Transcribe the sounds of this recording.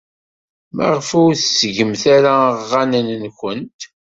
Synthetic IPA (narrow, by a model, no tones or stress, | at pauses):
mə̰ʁfuθsəʝəmθaɾaʁːanənənçənt̪